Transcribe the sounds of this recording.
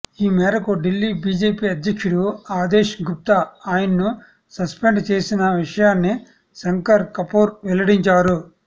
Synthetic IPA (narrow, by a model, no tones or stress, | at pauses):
iːmɛːɾɐkuɖilːiːbiːd͡ʒeːpiːɐd̪jɐkʂuɽuaːd̪eːʃɡup̚t̪ɐaːjɐnɐnu | sɐspeɳɖt͡ʃe̞ːsinɐʋiʂɐjaːnːi | sɐŋkɐɾkɐpoːɾʋɛlɐɽiɲt͡ʃaːɾu